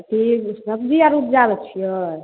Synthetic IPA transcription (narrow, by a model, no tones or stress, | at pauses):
ʈʰiksəb̚d͡ʒiaɾut̪d͡ʒabɛt͡ʃʰijə